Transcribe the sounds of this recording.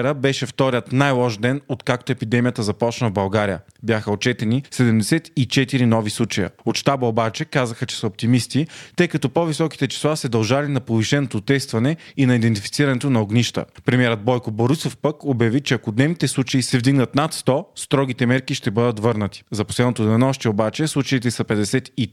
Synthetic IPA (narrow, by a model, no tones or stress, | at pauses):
ɾəbɛʃɛft̪ɔɾiət̪najlˠɔʃd̪ɛnot̪kakt̪oɛpid̪ɛmijət̪əzɐpɔt͡ʃnəvbɐlˠɡaɾijə | bjaxəot͡ʃɛt̪ɛnisɛd̪ɛmd̪ɛsɛt̪it͡ʃɛt̪iɾinɔvislˠut͡ʃɐjə̰ot̪ʃt̪abəobat͡ʃɛkazəxət͡ʃɛ̥səop̚t̪imist̪it̪ɤjkɐt̪ɔpovisɔki̥t̪ɛt͡ʃi̥slˠasɛd̪ɐlˠʒalinɐpoviʃɛnot̪ot̪ɛst̪vɐnɛinɐid̪ɛnt̪ifi̥t̪siɾɐnɛt̪onɐoɡniʃt̪ə̰pɾɛmʲiɛɾəd̪̚bɔjkoboɾisofpəkobjɐvit͡ʃɛɐkod̪nɛvnit̪ɛslˠut͡ʃɐisɛvd̪iɡnət̪nat̪st̪ɔst̪ɾɔɡ̟it̪ɛmɛɾkiʃt̪ɛbɤd̪ət̪vɤɾnət̪i̥zɐpo̥slɛd̪not̪od̪nɔʃt̪ɛobat͡ʃɛslˠut͡ʃɐit̪ɛsɐpɛd̪ɛsɛt̪i